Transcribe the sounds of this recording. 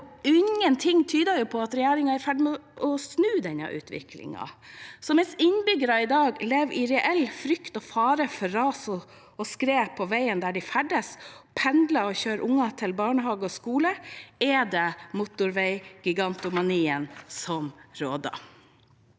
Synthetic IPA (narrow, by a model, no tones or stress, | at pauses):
ɪŋːənt̪ʰɪŋːt̪ʰyːd̪əjʊpʰɔɑt̪ɾɛjæːɾɪŋɑæɾfæɖɪmɛɔʔɔsnʉːd̪ɛnːɑ̰ʔʉ̰ːt̪ʰʋɪ̰kʰlɪ̰ŋɑ̰sɔmɛsɪnbʏɡəɾɑɪd̪ɑːɡlɛʋɪɾɛʔɛlfɾʏkt̪ɔfɑːɾəfɔɾːɑːsɔ | ɔskɾeːpʰɔʋæɪənd̪æɖɪfæɖəspʰɛnd̪lɑɔçøːɾʔʊŋːɑt̪ʰɪlbɑːɳəɦɑːɡəɔskuːləɛd̪ɛmʊt̪ʊɾʋɛɪɡ̥ɪɡɑnt̪ʊmɑniːənsɔmɾoːd̪ɑ̰